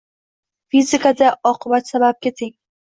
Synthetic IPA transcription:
fizɪkʰad̪aɒqʰɨbat̪sabap̚kʲat̪ʰɪŋ

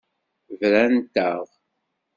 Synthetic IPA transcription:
vɾænt̪əʁ

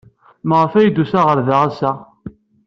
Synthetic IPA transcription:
məʁəfæjd̪usaʁəɾðaʁasæ

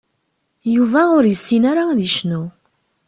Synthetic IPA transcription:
juvæʊɾjəsːinaɾaðiʃnu

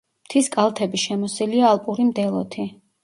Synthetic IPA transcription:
mt̪ʰiskʼalˠt̪ʰɛbiʃɛmɔsiliaːlˠpʼuɾimd̪ɛlˠɔt̪ʰi

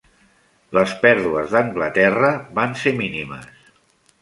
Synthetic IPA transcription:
ləspɛɾðuəzðəŋɡlət̪ɛrəβanseminimə̰s

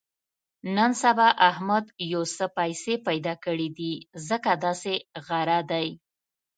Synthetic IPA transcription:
nənsabaʔahmad̪jowsəpajsepajd̪ɑkəɽid̪izəkad̪ɑseɣaɾad̪aj

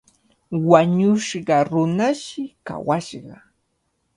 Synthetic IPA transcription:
waɲʊʃɢɑɾʊnaʃɪka̰waʃɢɑ

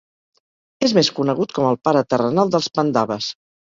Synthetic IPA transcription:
ezmeskunəɣ̞ut̪̚kɔməlˠpaɾət̪ərənalˠd̪əlˠspənd̪aβəs

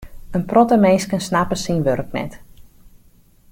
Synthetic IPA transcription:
ənprɔtəmejskənsnapəsinʋørk̚nɛ̰t

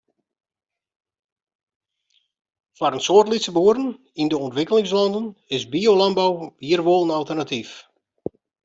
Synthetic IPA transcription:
faɾənsoərtlisəboːəɾən | indəɔntʋɪkəlɪŋs̬lɑndənɪsbiolɑnbawʋiərʋolˠənalˠtərnatif

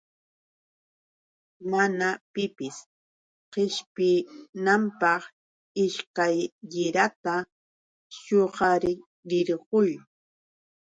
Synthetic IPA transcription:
manapɪpɪs | qɪʃpɪnampɑχ | ɪʃkajːɪɾat̪a | ʃoɢɑɾɪ | ɾɪɾɢʊj

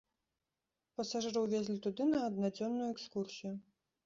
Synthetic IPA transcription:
pɐsaʐɨɾɨwvʲɛzʲlʲit̪ud̪ɨnɐːd̪nad͡zʲɔnːujuɛkskursʲiju

